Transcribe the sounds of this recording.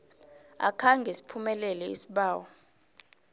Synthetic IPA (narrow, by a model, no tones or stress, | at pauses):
a̰kʰaŋɡʱɛsi̥pʰumɛlɛlɛḭsiɓaːwɔ